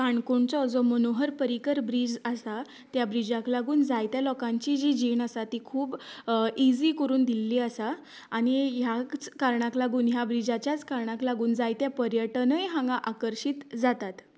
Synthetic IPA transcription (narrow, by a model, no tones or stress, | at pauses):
kaɳkoɳt͡sɔd͡zɔmənoɦəɾpəɾikəɾbɾiːd͡ʑəsa | t̪jabɾid͡ʑaklaɡuːnd͡zajt̪jalɔkãɲt͡ɕid͡ʑid͡ʑenasat̪ikʰuːbid͡ziːkəɾuːnd̪ilːiːasaː | ɽ̃ijat͡skaɾɳãklaɡuːnɦjabɾid͡ʑat͡ɕjat͡skaɾɳãklaɡuːnd͡zajt̪japəɾjəʈnəjɦãŋɡaʔakəɾɕiːt̪d͡zat̪at̪